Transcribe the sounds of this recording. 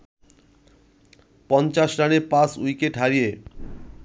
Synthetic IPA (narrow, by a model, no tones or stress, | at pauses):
pɔnt͡ɕaʃɾaneɾpasujkeʈɦaɾije